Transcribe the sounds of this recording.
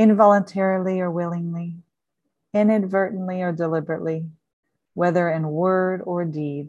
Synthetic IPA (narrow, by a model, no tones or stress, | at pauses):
ɨ̃nvɑlˠə̃ntʰɛɹl̩ˠiə˞wɪlˠɪ̃ŋli | ɪ̃nɨdvɜ˞ʔn̩liə˞dəlɪbɹɨʔli | wɛðə˞ɨ̃nwɜ˞ɾə˞did